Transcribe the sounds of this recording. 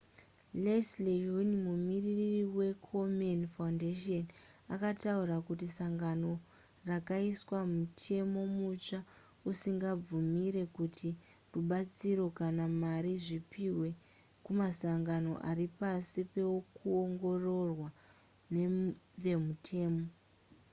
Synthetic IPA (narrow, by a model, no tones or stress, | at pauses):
leslejonimumiriririwe̞kʰomonfaundeʃon | akatauɾakutisaŋɡano̞ | rakaiswamutʰe̞mo̞mut͡ʂa | usiŋɡab͡vumiɾe̞kutʰi | ruɓat͡siɾo̞kanamaɾiʐipiwe̞ | kumasaŋɡano̞̰ʔaripasipe̞kuoŋɡo̞ro̞rwa | neʋe̞mutʰe̞ːmo̞